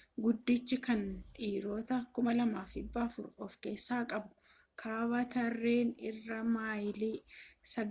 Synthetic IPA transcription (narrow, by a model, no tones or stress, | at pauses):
ɡʊd̪ːɪt͡ʃːɪkɐnᶑiːɾo̞ːt̪ɐkʊmɐlɐmaːfɪbːɐːfʊɾɔfke̞ːsːaːkʼɐbʊkʰaːbɐt̪ɐrːe̞ːnɪrːɐmaːjliːsɐ